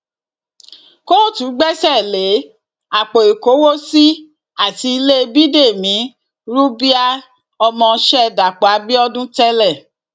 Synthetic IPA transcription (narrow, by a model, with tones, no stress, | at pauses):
ko˦˨tũ˨˦ɡ͡bɛ˦sɛ˦˨le˨˦ | a˨k͡po˨i˨ko˨˦wo˦si˦ | a˦˨ti˧i˧le˦bi˦de˦˨mĩ˨˦ | ɾu˦bi˦a˦ | ɔ˧mɔ̃˧ʃɛ˦da˨k͡pa˨˦bi˦ɔ˦dũ˦tɛ˦lɛ˦˨